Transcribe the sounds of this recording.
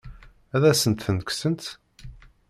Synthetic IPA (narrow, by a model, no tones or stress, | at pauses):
æðæsənt̪θənksənt̪